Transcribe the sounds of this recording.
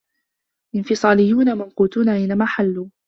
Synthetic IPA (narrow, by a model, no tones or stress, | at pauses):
ʔɪnfɪsˤɑːlɪjːuːnamanquːt̪uːnaʔajnamaːħalːuː